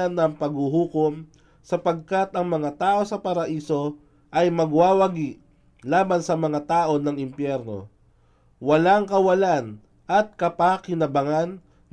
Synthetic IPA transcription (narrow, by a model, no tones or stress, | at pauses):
ɐnːɐŋpɐɡ̚huɦuːkom | sɐpɐɡ̚kat̪ɐŋmɐŋat̪aːʔo̞sɐpɐɾɐʔiːso̞ | ʔɐjmɐɡwaːwɐɡiʔ | laːbɐnsɐmɐŋat̪aːʔo̞nɐŋɪmpjɛɾno̞̰ | wɐlaŋkɐwɐlan | ʔɐt̪̚kɐpakɪnɐbɐŋanː